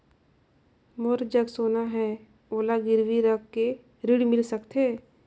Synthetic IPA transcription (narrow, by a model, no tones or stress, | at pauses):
moɾd͡ʒəɡsoːnaɦɛː | oːlaɡɪɾwiɾəkːe | ɾiɽmɪlsəkt̪ʰeː